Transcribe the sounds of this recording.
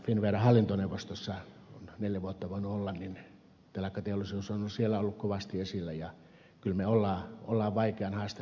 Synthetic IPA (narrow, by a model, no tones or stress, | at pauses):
finʋeˑrɑhɑlːint̪oneuʋːˑost̪osːɑ | onneljæʋuot̪ːɑʋoˑinuolːɑnnin | t̪elɑkːɑt̪eolˑisiosonosielːæolːukkoʋɑst̪iesilːæjɑ | kylmeolːɑːolːɑːʋʋɑikeɑnhɑːst̪e